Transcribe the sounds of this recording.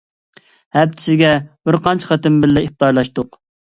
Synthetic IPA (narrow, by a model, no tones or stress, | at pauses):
hɛp̚t͡ʃ̪ʰɪ̥sɪɡʲɛb̥ɪɾqɑnt͡ʃʰqɑt̪ɪmbɪlːɛiχ̚t̪ɑɾlˠɑʃt̪ʊq